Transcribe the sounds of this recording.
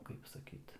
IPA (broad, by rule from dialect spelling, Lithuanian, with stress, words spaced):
ˈkɐɪp sɐˈkʲiːt